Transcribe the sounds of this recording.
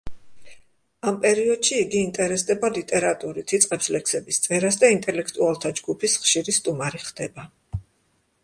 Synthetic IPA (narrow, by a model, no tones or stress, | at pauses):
ampʼɛɾiɔd̪̥ʃiːɡiːnt̪ʼɛɾɛsd̪ɛbalit̪ʼɛɾat̪ʼuɾit̪ʰit̪sʼqʼɛpslɛkʰsɛbist̪sʼɛɾasd̪aint̪ʼɛlɛkʰt̪ʼualˠt̪ʰad͡ʒɡupʰisχʃiɾist̪ʼumaɾiχd̪̥ɛba